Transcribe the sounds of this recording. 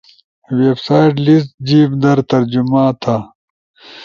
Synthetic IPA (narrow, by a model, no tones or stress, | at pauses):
weːbsaːiʈlisʈ̪d͡ʑiːbd̪ɐɾt̪ɐɾd͡ʑumãːt̪ʰaː